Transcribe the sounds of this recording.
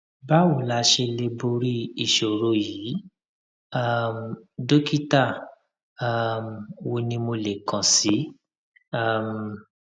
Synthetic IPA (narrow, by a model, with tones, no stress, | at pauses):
ba˦wo˨la˧˦ʃe˧le˧bo˧ɾi˦i˨ʃo˨ɾo˨˦jiː˨˦ | a˦˨mdo˦ki˦ta˦˨˦ | mwo˧nĩ˧mo˧le˨kã˨si˨˦ | a˦˨m̩˨